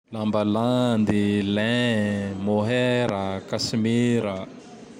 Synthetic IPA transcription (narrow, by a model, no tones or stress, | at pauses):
lambəland̪ilɛ̃ | moɦeɾəkasimiɾə